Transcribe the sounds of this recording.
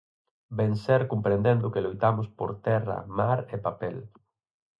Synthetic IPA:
benseɾkompɾẽnd̪end̪ʊkelojt̪amʊspo̰ɾt̪ɛra̰maɾepapɛl

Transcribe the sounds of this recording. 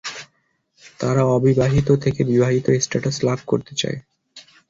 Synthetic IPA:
t̪aɾaɔbibaɦit̪̬ot̪ʰekebibaɦit̪oesʈaʈaslab̚ʱkoɾt̪et͡ɕa̰e

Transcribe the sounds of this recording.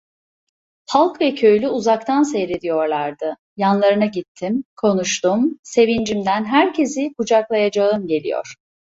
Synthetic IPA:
pʰalˠkvɛcʰø̞jlʲyuzak̚t̪ʰansejɾed̪ijo̞ɾlˠaɾd̪ɯ | janlˠaɾɯnaɟit̪ʰːimkʰo̞nuʃt̪umse̞vind͡ʒimd̪ænɦæɾcʰe̞zikʰud͡ʒaklˠajad͡ʒaɯmɟe̞lʲḭjo̰ɾ̝̥

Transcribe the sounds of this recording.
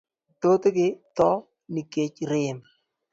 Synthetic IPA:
tot̪ekɪt̪ɔ | nɪket͡ʃɾɪm

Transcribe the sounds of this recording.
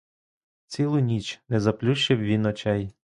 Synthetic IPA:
t͡sʲilˠʊnʲit͡ʃnɛzɐplʲuʃt͡ʃɪwʋʲinɔt͡ʃɛj

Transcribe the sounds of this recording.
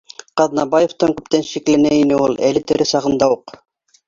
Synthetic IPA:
qɑðnɑbajeft̪ɑŋkɵ̥̆p̚t̪ænʃiklænæinɘulˠælɘt̪eɾɘsɑʁɤ̆nd̪ɑuq

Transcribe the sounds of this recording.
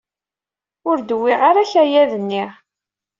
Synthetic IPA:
ʊɾd̪əwːɪʁaɾaçæjæðənːi

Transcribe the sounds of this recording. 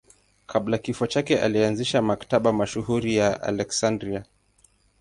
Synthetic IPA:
kʰaɓlakifɔt͡ʃakɛʔa̰lianziʃamakḁtaɓamaʃuhuɾijaʔa̰lɛksandɾia

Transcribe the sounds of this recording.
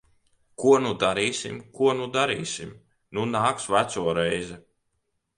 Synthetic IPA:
kuɔnud̪aɾiːsʲimkuɔnud̪aɾiːsʲim | nunaːksvæt̪suɔɾɛjzɛ

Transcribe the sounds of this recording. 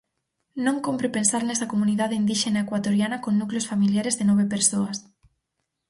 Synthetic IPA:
nõŋkompɾepensaɾnesakomuniðaðeind̪iʃenaekwat̪oɾjanakonnukleosfamiljaɾezðenɔβepeɾsoas

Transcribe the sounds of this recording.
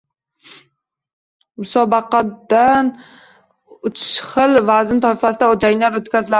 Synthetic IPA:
mʊsɒbɑqɑd̪an | ʊt͡ʃʰʃχɨlvazɪnt̪ʰɒfasɪd̪aɒd͡ʒaŋʲlaɾot̪kʲʰazɪla

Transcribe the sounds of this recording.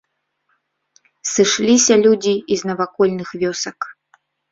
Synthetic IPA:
sɨʂlʲisʲɐlʲud͡zʲiːznɐvakɔlʲnɨxvʲɔsɐk

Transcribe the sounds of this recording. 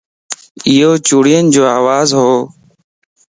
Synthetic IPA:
iːɦoːt͡ʃuːɽijənd͡ʒoːaːʋaːzɦoː

